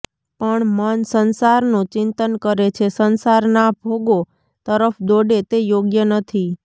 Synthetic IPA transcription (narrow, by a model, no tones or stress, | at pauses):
pəɳmənsənsaɾnũt͡ʃɪnt̪ənkəɾet͡ʃʰesənsaɾnabʱoɡo | t̪əɾəfd̪oɖet̪ejoɡjənət̪ʰi